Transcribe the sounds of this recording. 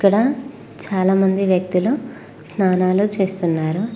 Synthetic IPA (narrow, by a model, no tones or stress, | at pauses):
ikːɐɽɐ | t͡ʃaːlaːmɐnd̪iʋjɐk̚t̪ilu | snaːnaːlut͡ʃe̞ːst̪unːaːɾu